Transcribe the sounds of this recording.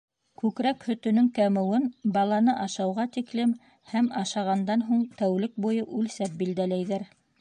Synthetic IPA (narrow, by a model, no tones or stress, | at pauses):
kʉkɾækhɵ̆t̪ɵ̆nɵŋkæmɘ̆wɘnbɑlˠɑnɤʔɑʃɑwʁɑt̪iklɘm | hæmɑʃɑʁɑnd̪ɑnɦuɴt̪æwlɘk̚bujɤʔʉlsæp̚bild̪ælæjðæɾ